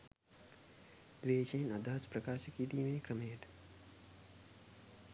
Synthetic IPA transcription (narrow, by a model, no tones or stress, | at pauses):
d̪̥ʋeːʃeːnɐd̪ʱaːspɾɐkaːʃəkiːd̪imẽkɾɐmeːʈ̪